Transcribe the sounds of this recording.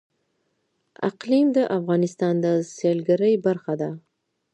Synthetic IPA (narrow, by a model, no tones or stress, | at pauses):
a̰qlimd̪aʔafʁɑnɪst̪ɑnd̪aselɡɪɾajbaɾχɑd̪a